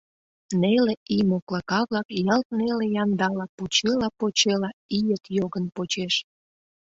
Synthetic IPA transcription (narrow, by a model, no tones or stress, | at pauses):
neleimoklɑkɑβlɑkjɑlt̪̚nelejɑnd̪ɑlɑpot͡ɕelɑpot͡ɕelɑijəkjoɣənpot͡ɕeʃ